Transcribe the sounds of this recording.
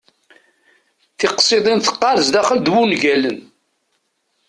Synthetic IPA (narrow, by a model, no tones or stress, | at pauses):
θɪqsˤeðˤinθə̥qːɑɾzd̪æχəld̪wunʝælən